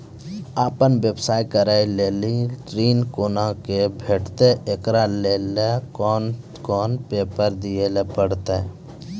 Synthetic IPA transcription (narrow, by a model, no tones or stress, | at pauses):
aːpənʋebsaːjkəɾaileːliʈɾiːnkoːnãkebʱeːʈt̪eekɾaleːlekɔː | kɔːnpeːpəɾd̪ijelepəɽt̪e